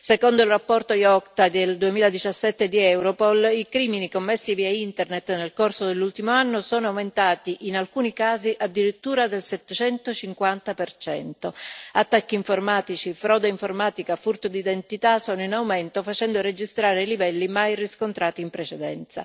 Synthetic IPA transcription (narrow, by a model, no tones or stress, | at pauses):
sekond̪oilrapːɔrt̪ojɔkt̪ad̪eld̪uemiːlad̪it͡ʃasːɛt̪ːed̪iɛwɾopɔlikɾiːminikomːesːiviaint̪ernet̪ːnelkorsod̪elːult̪imoanːosɔːnoawment̪aːt̪iʔinalkuːnikaːziʔad̪ːiɾit̪ːuːɾad̪elsɛt̪ːet͡ʃɛnt̪ot͡ʃiŋkwant̪apert͡ʃɛ̰nt̪oat̪ːakːiːɱformaːt̪it͡ʃifɾɔːd̪eiɱformaːt̪ikafurt̪od̪id̪ent̪it̪asɔːnoinawmɛnt̪ofat͡ʃɛnd̪oɾed͡ʒist̪ɾaːɾeilivɛlːimajriskont̪ɾaːt̪iːmpɾet͡ʃɛd̪ɛ̰nt̪sa̰